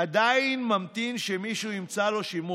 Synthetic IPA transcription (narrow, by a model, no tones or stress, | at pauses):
ad̪ainmamt̪inʃemiʃunimt͡salo̞ʃimu